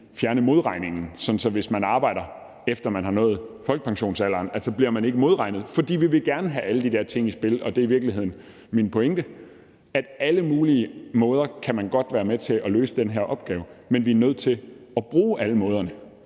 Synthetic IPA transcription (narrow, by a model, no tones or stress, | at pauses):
fjæɐnəmo̝ðˠʁɑ̈ɪne̝ŋn̩sɒ̽n̩sɒ̽ʋe̝smænɑ̈ːb̥ɑ̈ɪ̰ɾɐ | efd̥ɐmænɦɑ̈nɔ̽ːð̩ˠfɒlɡ̥ə̥pʰɑ̈ŋɕo̝̰ːnsælɐnælsɒ̽b̥liɐmæne̝ɡ̥əmo̝ðˠʁɑ̈ɪnəðˠfɒ̽d̥ḭːʋiʋe̝ɡ̥æɐnəɦæʔæləd̥id̥eɐ̰t͡sʰe̝ŋ̰isb̥e̝lɒ̽d̥e̝ɐiʋiɐɡ̥liɦe̝ð̞̰ˠn̩ | minpʰo̽eŋd̥ə | æd̥æləmuːliəmɔ̽ːð̞ˠɐkʰæmænɡ̥ɒ̽d̥ʋæːɐmet͡sʰe̝ʔɒlø̰ːsəd̥enɦeɐʔɒ̽b̥ɡ̥ɛːʊmenʋiɐnøð̞̰ˠt͡sʰe̝ɒb̥ʁuːʔæləmɔ̽ːð̞ˠɐnə